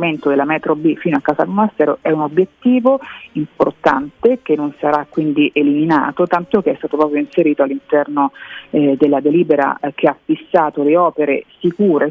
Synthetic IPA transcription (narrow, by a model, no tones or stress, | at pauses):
ment̪od̪elːamɛt̪ɾobifiːnoakːaːza̰lmonast̪ɛːɾoʔɛunobːjet̪ːiːvoimpo̰rt̪a̰nt̪ekenːonsaɾakːwind̪iʔelimina̰ːt̪ot̪ant̪ok̟eɛst̪aːt̪opɾɔːp̬ɾjoinseɾiːt̪oalːint̪ɛrno | d̪elːad̪eliːbeɾa̰k̟ʰeafːisːaːt̪oleɔːpeɾḛsikuːɾe